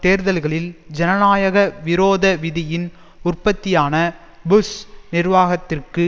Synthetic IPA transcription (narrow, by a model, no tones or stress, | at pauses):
t̪eːɾðɐlɣɐɭɪld͡ʒɛnɐnaːjɐɣɐʋɪɾoːðɐʋɪðɪjɪn | ʊrpɐt̪ːɪjaːnɐ | bʊsnɪrʋaːɣɐt̪ːɪrkɯ